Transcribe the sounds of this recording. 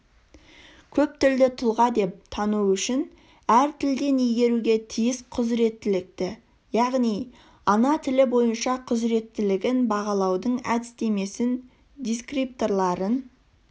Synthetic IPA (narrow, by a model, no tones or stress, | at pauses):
kʲʰɵp̚t̪ɪld̪ɪt̪ʰʊlˠʁɑd̪e̞p̚t̪ʰɑnuʏʃɪn | æɾt̪ʰɪld̪e̞nijɡʲe̞ɾuɡʲe̞t̪ʰijɪsqʰʊzɾe̞t̪ːɪlɪk̚t̪ɪ | jɑʁnij | ɑnɑt̪ʰɪlɪbo̞jənʃɑqʰʊzɾe̞t̪ːɪlɪɡʲɪnbɑʁɑlˠɑwd̪əɴæ̰d̪ɪst̪e̞me̞sɪn | d̪ijskrip̚t̪o̞ɾlˠɑɾən